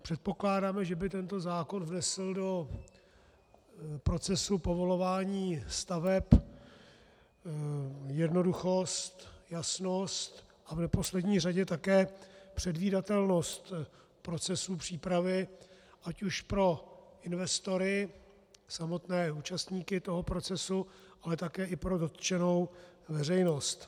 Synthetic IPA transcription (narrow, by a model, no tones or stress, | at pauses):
pr̝̥ɛt̪̚po̞klaːdaːmɛʒɛbɪt̪ɛnt̪o̞zaːko̞nvnɛsl̩do̞ | pɾo̞t͡sɛsupo̞vo̞lo̞vaːɲiːst̪avɛp | jɛdno̞duxo̞st̪jasno̞st̪ | ʔavnɛpo̞slɛdɲiːr̝aɟɛt̪akɛːpr̝̥ɛdviːdat̪ɛlno̞st̪ | pɾo̞t͡sɛsuːpr̥iːpɾavɪʔacuʃpɾo̞ʔɪnvɛst̪o̞ɾɪ | samo̞t̪nɛːuːt͡ʃast̪ɲiːkɪt̪o̞ɦo̞pɾo̞t͡sɛsu | ʔalɛt̪akɛːʔɪpɾo̞do̞t̪t͡ʃɛno̞wvɛr̝ɛjno̞st̪